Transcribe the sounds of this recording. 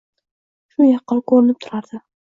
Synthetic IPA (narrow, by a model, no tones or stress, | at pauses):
ʃʊjɑqːɑlˠkʰoɾɪnɪp̚t̪ʰʊɾaɾd̪̥ɪ